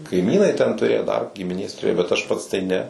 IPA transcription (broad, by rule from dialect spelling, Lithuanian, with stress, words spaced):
kɐɪˈmʲiːnɐɪ tʲɛn tʊˈrʲeːjoː dɐr ɡʲɪmʲɪˈnʲeːs tʊrʲeːjoː bʲɛt ɐʃ ˈpɐts tɐɪ ˈnʲɛ